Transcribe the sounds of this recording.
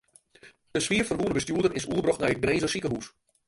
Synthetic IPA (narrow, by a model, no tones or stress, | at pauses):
dəsʋiərfɔnɦuənəbəstjuədərɪsuəbrɔxtnɛjət̚ɡreːzəsikəɦus